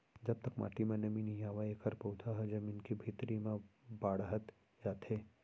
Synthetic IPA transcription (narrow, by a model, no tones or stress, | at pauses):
d͡ʒɐb̚t̪əkma̰ːʈimẽnɐminijaːʋaeːkʰəɾpɐut̪ʰaɦɛd͡ʒɐminkibʱit̪ɾimẽbaːɽɦət̪ | jaːt̪eː